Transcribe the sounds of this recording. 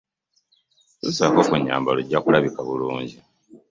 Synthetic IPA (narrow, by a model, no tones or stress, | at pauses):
susakokuɲːa̰ːmbaloɟːakulaβikaβuluːɲɟi